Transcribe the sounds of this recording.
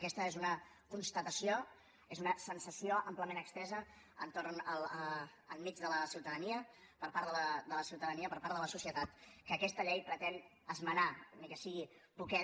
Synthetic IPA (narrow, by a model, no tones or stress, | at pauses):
kɛst̪əezunə | kunst̪ət̪əsio | ezunəsənsəsioʔəmpləmẽnəkst̪ɛzə | ə̰nt̪oɾnəlː | lˠmid͡ʒðələsiwt̪əðəniəpəɾpaɾðələd̪ələsiwt̪əðəniəpəɾpaɾðələsusiət̪at̪kəːkɛst̪əʎejpɾət̪ɛn | əzmənamikɛsiɣipukɛ